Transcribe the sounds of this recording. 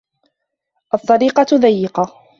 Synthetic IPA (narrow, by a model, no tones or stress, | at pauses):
ʔɑt̪ˤːɑɾiːqɑðajːɪqɑ